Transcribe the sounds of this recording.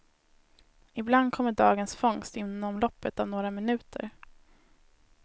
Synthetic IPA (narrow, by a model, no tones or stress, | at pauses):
ɪbland̪̚kʰɔmːəɖɑːɡənsfɔŋst̪ɪnːɔmlɔpːət̪avnoːɾamɪnʉ̟ːt̪ʰə̰ɾ